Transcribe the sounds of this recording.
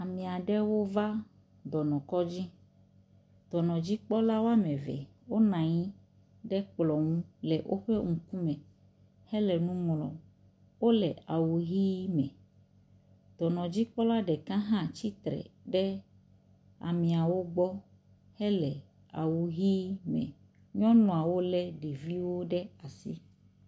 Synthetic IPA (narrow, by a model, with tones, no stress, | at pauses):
a˨mĩ˨a˨ɖɛ˦wo˦va˦ | d̪ɔ˨nɔ̃˨kɔ˦d͡ʑi˦ | t̪ɔ˨nɔ̃˨d͡ʑi˦k͡pɔ˦la˦wo˦a˦mɛ̃˨vɛ̰˨wo˦nã˨ɲĩ˦ | ɖɛ˦k͡plɔ˨ŋũ˦lɛ˨ʔo˦ɸe˦ŋũ˨ku˦mɛ̃˨ | hɛ˦lɛ˨nũ˦mlɔ̰˨ | wo˦lɛ˨a˨wu˨ɦi˦mɛ̃˨ | t̪ɔ˨nɔ̃˨d͡ʑi˦k͡pɔ˦la˦ɖɛ˨kã˦ɦã˦t͡ɕi˦t̪ɾɛ̰˨ɖɛ˦ | a̰˨mĩ˨a˨wo˦ɡ͡bɔ˦ | hɛ˦lɛ˨ | a˨wu˨ɦi˦mɛ̰̃˨ | ɲɔ̃˦nɔ̃˨a˨wo˦lɛ˦ɖe˨vi˦wo˦ɖɛ˦a˨sḭ˦